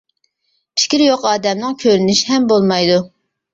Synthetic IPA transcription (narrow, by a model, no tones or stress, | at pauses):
pʰɪ̥kʲiɾjoqɑːd̪ɛmnɨŋkʲʰøɾynyʃiɦɛmbolˠmɑjd̪u